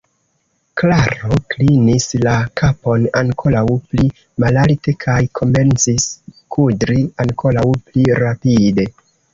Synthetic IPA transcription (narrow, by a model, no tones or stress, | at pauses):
klaɾo̞klinislakʰapo̞naŋkʰo̞lawpli | malalte̞kʰajkʰo̞me̞nt͡siskʰudɾiaŋko̞lawpliɾapide̞